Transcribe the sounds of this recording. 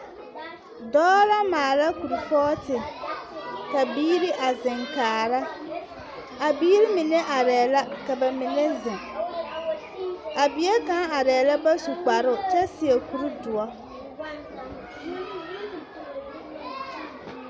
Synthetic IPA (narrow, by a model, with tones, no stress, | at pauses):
dɔː˦la˦maː˨la˦ku˨ɾi˨fɔː˦tɪ˨ | ka˨biː˦ɾi˦ʔa˨zɪ̃˨ŋkaː˨ɾa˦ | a˨biː˦ɾi˦mɪ˨ne˦ʔa˨ɾɛː˨la˦ka˨ba˨mɪ˨ne˦zɪ̃˨ŋ | a˨bɪ˨˦e˦ka˦a˨ɾɛː˨la˦ba˦su˨k͡pa˨ɾʊ˦t͡ʃɛ˦sɪ˨e˨ku˨ɾi˦dʊ˨ɔ˦